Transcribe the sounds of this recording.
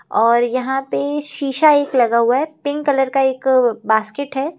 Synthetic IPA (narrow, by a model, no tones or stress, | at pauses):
ɔːɾjɐɦãpeʃiːʃaeːklɐɡaɦuaɦɛpɪ̃ŋɡkɐləɾkaeːkbaːskeʈɦɛː